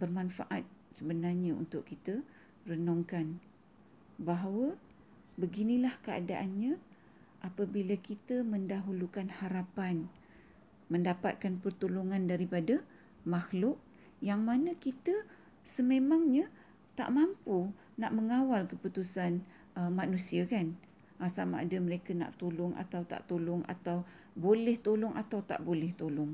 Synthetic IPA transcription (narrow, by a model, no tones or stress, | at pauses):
bərmanfaʔat̪̚səbənarɲaṵnt̪ʊʔkːit̪ə | rənɔŋkan | baɦawə | bəɡinilahkəa̰daʔanɲa | ʔapabilakit̪əməndaɦulukanhaɾapan | mə̃ndapa̰t̪̚kanpərt̪uluŋandaɾipada | mahlʊʔ̚ | jaŋmanəkit̪ə | səmemaŋɲə | t̪a̰ʔmampu | naʔməŋawalkəput̪usan | əmanusiakan | ʔasamaːdəməɾekana̰ʔt̪olʊŋʔa̰t̪awt̪a̰ʔt̪olʊŋa̰t̪aw | bolɛht̪olʊŋʔat̪awt̪a̰ʔbolɛht̪olʊŋ